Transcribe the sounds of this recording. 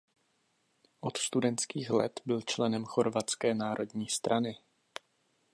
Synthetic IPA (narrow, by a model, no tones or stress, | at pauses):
ʔo̞t̪st̪udɛnt̪skiːxlɛ̰t̪bɪlt͡ʃlɛnɛmxo̞ɾvat͡skɛːnaːɾʔo̞dɲiːst̪ɾʔanɪ